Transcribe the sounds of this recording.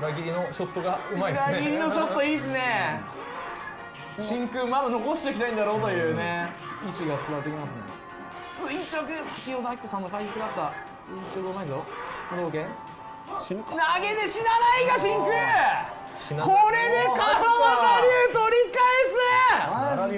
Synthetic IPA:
ɯɾaɡʲiɾʲinoɕot̪ːoɡaɯmaɾaɡʲiɾʲino̞ɕo̞t̪ːoiːsɨne | ɕĩŋkɯ̟mamɯno̞ko̞ɕi̥t̪ekʲi̥t̪aĩnd̪aɾo̞ːt̪ojɯ̟ːne̞it͡ɕiɡat͡sɨat̪ːekʲimasɨnḛ | sɨit͡ɕokɯ̟sakʲiod̪akʲi̥kɯsãnːokaiisɨɡat̪ːasɨit͡ɕokɯɯmaizod̪oːkẽ | naɡe̞d̪eɕinanaiɡaɕĩŋkɯ | koɾenekaaβanaɾʲɯt̪o̞ɾʲikaese

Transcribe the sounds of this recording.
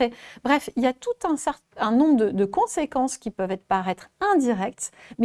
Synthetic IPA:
ebʁɛfiljat̪ut̪ɛ̃sɛʁt̪ɛ̃nɔ̃bʁd̪əd̪əkɔ̃sekɑ̃skʲipœvɛt̪paʁɛt̪χɛ̃d̪iʁɛk̚t̪mɛ

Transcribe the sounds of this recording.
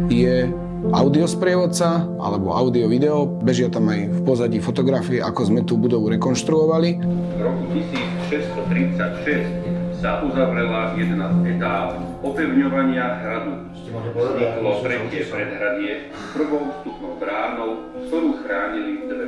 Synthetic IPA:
jɛ | aʊd̪iɔspɾɪɛʋɔt̪t͡sa | a̰lɛbɔ̰a̰ʊd̪iɔʋid̪ɛɔbɛʒɪat̪amajfpɔzaɟifɔt̪ɔɡɾafiɛʔakɔzmɛt̪uːbud̪ɔʋuɾɛkɔnʃt̪ɾuɔʋali | vɾɔkucisiːt͡sʃɛst̪ɔt̪ɾit͡sacʃɛscsaʔuzaʋɾɛlajɛd̪ɛnazɛt̪aːlɔpɛʊɲɔʋaɲɪaɦɾad̪u | ɔt̪ɾɛcɪɛpɾɛd̪ɦɾad̪ɪɛ | pr̩ʋɔʊst̪upnɔʊbɾaːnɔʊkt̪ɔɾuːxɾaːɲilid̪ʋɛ

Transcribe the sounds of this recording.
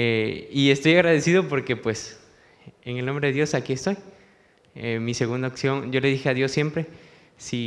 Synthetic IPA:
eie̞st̪o̞jaɣɾaðe̞siðo̞po̞ɾke̞pwe̞s | eŋelnõmbɾe̞ðeðjosakiest̪o̞j | emise̞ɣund̪aoksjo̞nɟ͡ʝo̞le̞ðixe̞aðjo̞sːje̞mpɾe̞ | si

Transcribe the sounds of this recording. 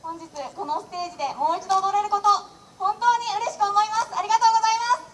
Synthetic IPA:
hõ̞ɲ̟d͡ʑit͡sɨko̞no̞st̪e̞ːʑid̪e̞mo̞ːit͡ɕid̪oːd̪o̞ɾe̞ɾɯ̟ko̞t̪o̞ | hõ̞nt̪o̞ːɲ̟iɯ̟ɾe̞ɕi̥kɯ̟omo̞imasɨaɾʲiɡat̪o̞ːɡozaimasɨ̥

